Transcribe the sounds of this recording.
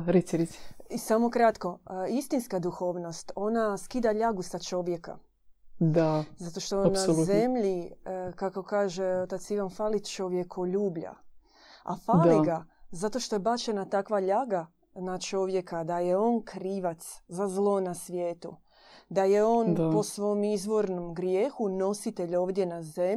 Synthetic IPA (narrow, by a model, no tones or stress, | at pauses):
ɾisiɾisiisamo̞kɾat̪ko̞ist̪inskad̪uxo̞ːʋno̞st̪o̞naskid̪aʎaɡusat͡ʃo̞ʋje̞ka̰ | d̪azat̪o̞ʃt̪o̞nale̞mʎikako̞kaːʒeot̪at̪siʋanfaːlit͡ʃo̞ʋjekʰoʎuːbʎa̰ | a̰faːd̪liɡazat̪o̞ʃt̪o̞jebat͡ʃe̞nat̪akʋaʎaɡa | nat͡ʃo̞ʋje̞kad̪ajeo̞nkʰɾiːʋat̪szazlˠo̞nasʋjeːt̪ṵ | d̪aje̞o̞ːnpo̞sʋo̞jomizʋo̞ɾno̞mɡɾjeːxuno̞sit̪e̞ʎo̞ːʋd̪ʲje̞naze